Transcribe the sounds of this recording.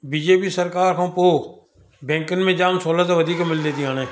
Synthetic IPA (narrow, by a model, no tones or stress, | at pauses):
biːd͡ʒeːpiːsəɾkaːɾkʰãːpoː | bɛ̃ːŋkənmẽːd͡ʒaːmsoːlaːt̪aːʋəd̪ʱiːkamɪld̪eːt̪iãːnẽː